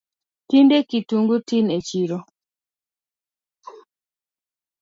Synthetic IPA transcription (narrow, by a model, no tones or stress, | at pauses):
tindekituŋɡutinet͡ʃiɾo